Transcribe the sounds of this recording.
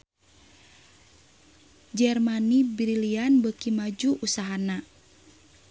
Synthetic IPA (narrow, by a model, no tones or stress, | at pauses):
d͡ʒɛrmanibɾilianbəkimad͡ʒuʔusaɦana